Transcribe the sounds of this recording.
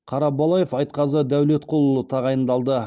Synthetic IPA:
qʰɑɾɑbɑlˠɑje̞fɑjt̪qʰɑzəd̪æwle̞t̪qʰo̞lˠulˠət̪ʰɑʁɑjənd̪ɑlˠd̪ə

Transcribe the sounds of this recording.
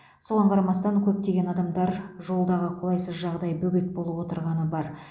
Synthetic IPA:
so̞ʁɑɴqʰɑɾɑmɑst̪ɑŋkʲʰɵp̚t̪e̞ɡʲe̞nɑd̪ɑmd̪ɑɾʒo̞lˠd̪ɑʁəqʰo̞lˠɑjsəzʒɑʁd̪ɑjbɵɡʲɪt̪̚bo̞lˠəpwo̞t̪əɾʁɑnəbɑɾ

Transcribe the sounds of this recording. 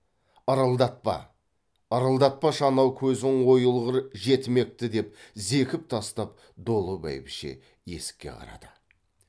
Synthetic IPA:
ɑɾɑlˠd̪ɑt̪̚pɑ̰ː | ɾəlˠd̪ɑt̪̚pɑʃɑnɑwkʲʰɵzɪŋwo̞jəlˠʁəɾʒe̞t̪ɪme̞k̚t̪ɪd̪e̞pze̞kʲɪp̚t̪ʰɑst̪ɑp̚ | d̪o̞lˠəbæ̰jbɪʃḛ | je̞̰sɪ̥kʲːe̞̰qʰɑ̰ɾɑ̰d̪̥ə

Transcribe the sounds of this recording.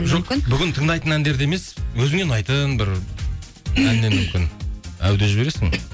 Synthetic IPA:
ʒokɪnbʏɡʲɪnt̪ʰəɴd̪ɑjt̪ənænd̪e̞ɾd̪eemeswɵzɪŋe̞nɑjt̪ənbɪɾ | ænːemʏmkʲɪnæ̰wd̪e̞ʒɪbe̞ɾe̞sɪ̰ŋ

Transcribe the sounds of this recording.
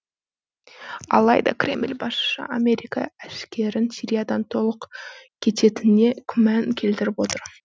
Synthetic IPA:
ɑ̰lˠɑjd̪ɑ̰kɾʲe̞mlʲbɑsʃə̰ʔame̞ɾʲijkɑ̰æʃkʲe̞ɾɪnsʲiɾʲijad̪ɑnt̪ʰo̞lˠəqkʲʰe̞t̪e̞t̪ɪne̞kʲʰʏmæŋkʲʰe̞lt̪ɪɾɪpwo̞t̪əɾ

